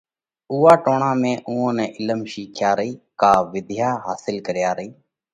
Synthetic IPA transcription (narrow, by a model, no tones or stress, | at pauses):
uːaːʈoːɳãːmẽːʔuːõːnɛːʔɪləmʃiːkʰjaːɾəɦiːkaːʋɪd̪ʱjaːɦaːsɪlkəɾjaːɾəɦiː